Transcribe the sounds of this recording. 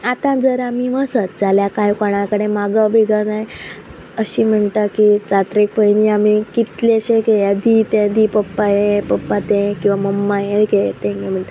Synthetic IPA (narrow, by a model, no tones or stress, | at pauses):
at̪ãd͡zəɾamiʋəsət̪̚d͡zaljakajkɔɽ̃akəɽ̃emaɡabʱiɡanaj | əɕiːm̤əɳʈ̪akit͡sat̪ɾek̚pəjniamikit̪leəɕekejad̪it̪ẽd̪ipəpːajepəpːat̪ẽkĩw̃ʋaməmːajeket̪ẽŋkẽm̤əɳt̪ə